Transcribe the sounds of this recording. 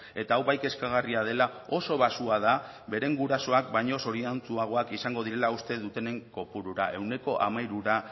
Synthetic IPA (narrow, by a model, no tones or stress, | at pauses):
e̞t̪aːwβajke̞skaɣ̞ariað̞e̞lao̞so̞β̞asuað̞a | βe̞ɾe̞ŋɡuɾaso̞akbajɲo̞so̞ɾiant͡suaɣ̞o̞akisaŋɡo̞ð̞iɾe̞laust̪e̞ðut̪e̞ne̞ŋko̞puɾuɾaʔe̞wne̞ko̞ʔamajɾuɾa